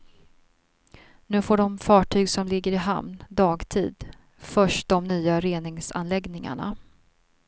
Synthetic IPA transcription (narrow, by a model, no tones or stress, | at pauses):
nʉ̟ːfoːɖɔmfɑːʈʰyːɡsɔmlɪɡːəɾɪɦa̰mnd̪ɑːɡt̪ʰḭːd̪ | fœʂʈd̪ɔmnyːaɾeːnɪŋsa̰nlɛɡnɪŋa̰ɳa̰